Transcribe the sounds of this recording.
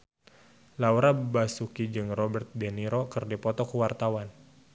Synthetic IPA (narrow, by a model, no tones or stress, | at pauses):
lawɾabasukid͡ʒɨŋrɔbɛrt̪̚dɛniɾokɨrdipɔt̪ɔkuwart̪awan